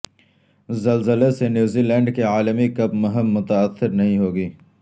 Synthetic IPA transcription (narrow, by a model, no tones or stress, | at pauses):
zɐlzəlesenjuːzilɛ̃ːɳɖkeaːləmikɐbmʊɦəmːʊt̪ɐːt̪ːɪɾnɐɦĩɦoːɡiː